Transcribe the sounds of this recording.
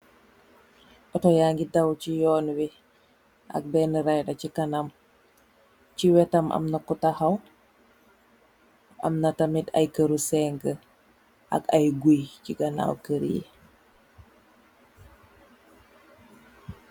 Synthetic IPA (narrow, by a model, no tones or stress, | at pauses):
ʔɔtɔjaːŋɡidawt͡ʃijɔːnwi | ʔa̰k̚bɛnəɾajɗacikanam | ciwɛtamʔa̰mnakutahaw | a̰mnatamita̰jkəɾusɛŋɡə | ʔa̰kajɡujciɡana̰wkəɾḭjḭ